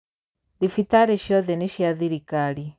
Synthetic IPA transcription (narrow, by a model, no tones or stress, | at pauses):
ðifitaɾeʃjɔðɛniʃjaðiɾikali